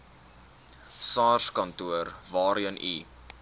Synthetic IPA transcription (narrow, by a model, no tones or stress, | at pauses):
sɑːrskɐntuərvɑːɾiənʔi